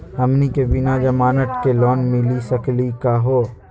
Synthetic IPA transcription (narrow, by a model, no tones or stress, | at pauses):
ɐmnikebɪnad͡ʒɐmaːnəʈkelɔːnmɪ̃lisɐklikaɦoː